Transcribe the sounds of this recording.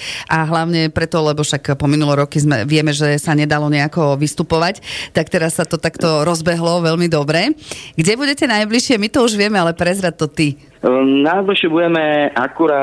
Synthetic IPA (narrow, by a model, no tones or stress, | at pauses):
ʔaɦlaʊɲɛpɾɛt̪ɔlɛbɔfʃakpɔminulɛɾɔkizmɛ̰ʋɪɛmɛʒɛsaɲɛd̪alɔɲɛakɔʋist̪upɔʋact̪akt̪ɛɾasːat̪ɔt̪akt̪ɔɾɔzbɛɦlɔʋɛʎmid̪ɔbɾɛɡɟɛbuɟɛcɛnajbliʃɪɛmit̪ɔuʒʋɪɛmɛalɛpɾɛzɾat̪ːɔt̪i | nazɔʃɪɛbuɟɛmɛʔakuɾaː